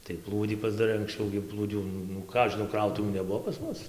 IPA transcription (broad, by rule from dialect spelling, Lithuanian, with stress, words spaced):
tɐɪ ˈplˠuːdʲiː pɐzdɐˈrɐɪ ɐŋksʲˈt͡ʃʲɛʊ ɡʲɪ plˠuːˈdʲuː nʊ nʊ ˈkɑː ɐʃ ʒʲɪˈnɐʊ ˈkrɐʊtʊʋʲuː nʲɛˈbʊʋoː pɐs ˈmʊs